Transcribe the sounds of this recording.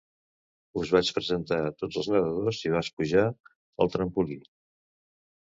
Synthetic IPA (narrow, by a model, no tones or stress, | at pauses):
uzβat͡ʃpɾəzənt̪at̪od͡zəlˠznəðəðoziβ̞at͡ʃpuʒa | əlˠt̪ɾəmpuli